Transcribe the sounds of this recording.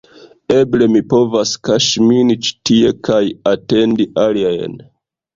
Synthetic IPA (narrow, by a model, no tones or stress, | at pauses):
e̞ble̞mipo̞vaskaʃminit͡ʃi̥tie̞kajate̞ndiʔaliajn